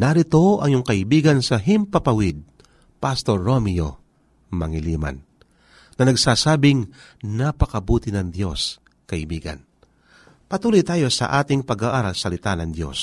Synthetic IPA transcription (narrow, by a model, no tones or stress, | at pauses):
nɐɾɪt̪o̞ʔɐŋjʊŋkɐʔɪbiːɡɐnsɐɦɪmpɐpɐwɪd̪̚ | past̪oɾːomɪjo̰ | mɐŋɪliːma̰nː | ɐnɐɡsaːsaːbɪŋnapɐkɐbuːt̪ɪnɐŋd̪jo̞s | kɐʔɪbiːɡɐ̰n | pɐt̪uːlojt̪aːjo̞sɐ̰ʔaːt̪ɪŋpɐɡaːʔaːɾalsɐlɪt̪anɐŋd̪jo̞̰s